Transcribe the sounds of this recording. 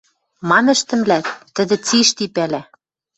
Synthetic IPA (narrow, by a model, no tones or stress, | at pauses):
mɑnɘ̆ʃt̪ɘ̆mlæt̪ːɘ̆d̪ɘ̆t͡siʃt̪ipælæ